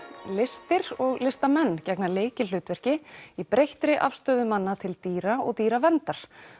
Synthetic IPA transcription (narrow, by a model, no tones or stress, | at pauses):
lɪst̪ɪɾɔɣlɪst̪amɛnːcɛknaleːjcɪl̥ʏːt̪vɛr̥cɪipɾejht̪ɾɪʔa̰fst̪œːðʏmanːat̪ʰɪlt̪iːɾaɔɣt̪iːɾavɛnt̪aɾ̥